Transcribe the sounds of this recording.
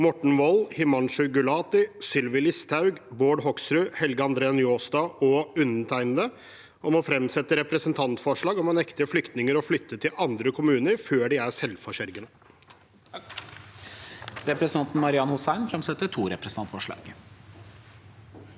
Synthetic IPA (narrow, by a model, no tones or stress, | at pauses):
mɔʈɳ̩ʋɔlhɪmɑnʂʉɡʉlɑːt̪ɪsʏlʋɪlɪst̪ʰɑʉɡboːɖɦɔksɾʉhɛlɡəɑnd̪ɾeːənjoːsd̪ɑːɔʉnnət̪ʰæɪnd̪ə | ɔmɔfɾɛmsɛt̪ːəɾɛpɾəsənt̪ʰɑnt̪fɔʂɭɑːɡɔmɑnɛkt̪ɪəflʏkt̪nɪŋəɾɔflʏt̪ːət̪ʰɪlɑnd̪ɾəkʰʊmʉːnəɾføːɖɪæʂɛlfɔɕæɾɡənə | ɾɛpɾɛsnʰɑnt̪n̩mɑɾɪɑnhʊsæɪnfɾɛmsɛt̪ːət̪ʰuːɾɛpɾsɑnt̪fɔʂɭɑ̰ːɡ